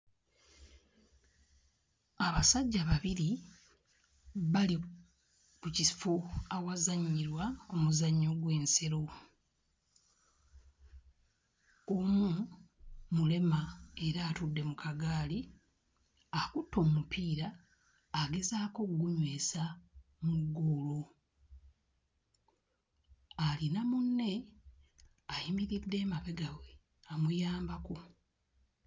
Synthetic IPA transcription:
aβasaɟːaβaβiɾi | βali | kucisfuawazaɲːiɾwaomuzaɲːo̞ɡwe̞ːnseɾo̞ | omu | mule̞mae̞ɾaːtudːe̞mukaɡaːli | akutʰːo̞ːmupʰiːɾaː | ɡe̞zaːko̞kuɡuɲwe̞ːsa | muɡːoːlo | alinamunːe̞ | ajimiɾidːe̞ːmaβe̞ɡawe | amujaːmbako

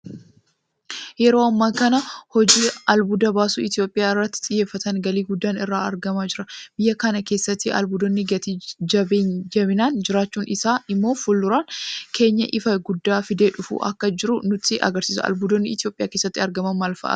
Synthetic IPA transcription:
jɛɾo̞ːɐmːɐŋkɐnɐhɔd͡ʒiːɐlbʊd̪ɐbaːsuːɪt̪ɪjo̞ːpʼːɪjaːɪrːɐt̪ːɪ̥t̪ʼɪjːeːfːɐt̪ɐŋɡɐliːɡʊd̪ːaːnɪrːaːɐɾɡɐmaːd͡ʒɪɾɐb̥ɪjːɐkɐnɐke̞ːsːɐt̪ːɪʔɐ̰lbʊd̪ɔnːɪɡɐt̪id͡ʒɐbeːnd͡ʒɐbɪnaːnd͡ʒɪɾaːt͡ʃːuːnɪsaːʔɪmːo̞ːfʊlːʊɾaːnkʰe̞ːɲːɐʔɪfɐɡʊd̪ːaːfɪd̪eːᶑʊfṵʔɐ̰kːɐd͡ʒɪɾʊnʊt̪ːɪʔɐ̰ɡɐɾsiːsɐ̰ɐ̰lbʊd̪ɔnːɪɪt̪ɪjo̞ːpʼɪja̰ːkeːsːɐt̪ːɪɐɾɡɐmɐnmaːlfɐ̰ʔɐ̰

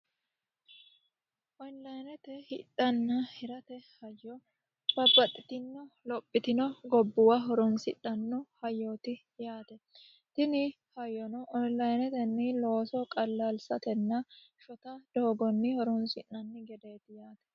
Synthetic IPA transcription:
ʔɔnlɐjnɛt̪ɛhɪtʼːɐnːɐhɪɾɐt̪ɛhɐjːɔ | b̥ɐbːɐt̪ʼːɪt̪ɪnːɔlɔpʼːɪt̪ɪnɔɡɔbːʊwaɦɔɾɔnsɪᶑɐnːɔhɐjːoːt̪ɪ | jaːt̪ɛ | t̪ɪnɪ | hɐjɔnɔʔɔnlɐjnɛt̪ɛnːɪloːsɔkʼɐlːalsɐt̪ɛnːɐʃɔt̪ɐd̪̥oːɡɔnːɪhɔɾɔnsɪnːɐnːɪɡɛd̪eːt̪ɪjaːt̪ɛ̥

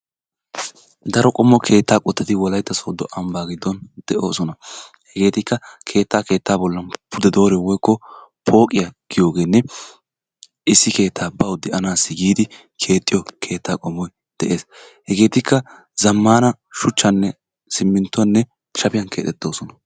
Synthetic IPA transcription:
d̪ɐɾɔkʼɔmːɔkʰe̞ːt̪ːaːkʼɔt̪ːɛt̪ɪwɔlɐjt̪ːɐsoːd̪ɔʔɐmbaːɡɪd̪ːɔnd̪̥ɛʔo̞ːsɔnɐ | hɛɡe̞ːt̪ɪkːɐkʰe̞ːt̪ːaːke̞ːt̪ːaːbɔlːɐnpʰʊd̪ɛd̪o̞ːɾɛwɔjkːɔpʰo̞ːkʼɪjɐɡ̥ɪjo̞ːɡe̞ːnːɛ | ɪsːɪke̞ːt̪ʰːaːbɐwd̪ɛʔɐnaːsːɪɡiːd̪ɪ | kʰe̞ːt̪ʼːɪjɔkʰe̞ːt̪ʰːaːkʼɔmːɔj | d̪̥ɛʔe̞ːshɛɡe̞ːt̪ɪkːɐ | zɐmːaːnɐ | ʃʊt͡ʃːɐnːɛ | sɪmːɪnt̪ːɔnːɛ | ʃɐpɪjɐnkʰe̞ːt̪ːɛt̪ːo̞ːsɔnɐ

